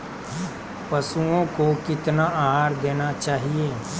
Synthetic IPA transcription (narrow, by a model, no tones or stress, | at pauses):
pɐsuõkokɪt̪naʔaːɦaːɾd̪eːnat͡ʃaːɦieː